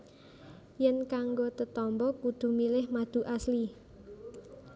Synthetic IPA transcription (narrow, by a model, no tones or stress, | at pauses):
jɛnkaŋɡot̪ət̪ɔmbɔkud̪̥ṳmilɪhmad̪̥ṳʔasli